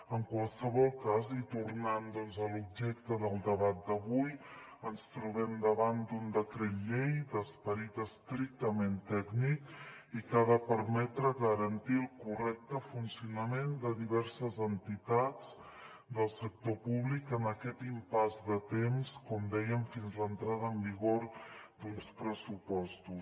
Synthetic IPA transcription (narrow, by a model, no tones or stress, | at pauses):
əŋkwalˠsəβɔlˠkazit̪urnand̪ɔnzəlub̚ʒɛk̚t̪əðəlˠd̪əβat̪̚d̪əβuj | ənst̪ɾuβɛmd̪əβand̪und̪əkɾet̪ʎejd̪əspəɾit̪əst̪ɾik̚t̪əment̪ɛɡnikikaðəpəɾmɛt̪ɾəɣəɾənt̪ilˠkurɛk̚t̪əfunsiunəmend̪əðiβɛɾsəzənt̪it̪at͡s | d̪əlˠsək̚t̪opuβlikənəkɛt̪impazd̪ət̪emskɔmd̪ɛjəmfinzlənt̪ɾað̞əəːmbiɣoɾd̪unspɾəsupɔst̪us